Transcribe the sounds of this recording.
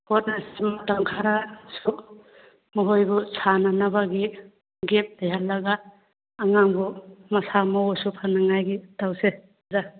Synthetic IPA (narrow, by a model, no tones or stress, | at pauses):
pɔt̚nasmataŋkʰaɾasuk̚ | muɦojbɔsʰananaβaɡi | ɡep̚tajɦallːaɡaː | ŋaŋbɔmɐsamɔwɔsupʰanːaŋajɡitawse | za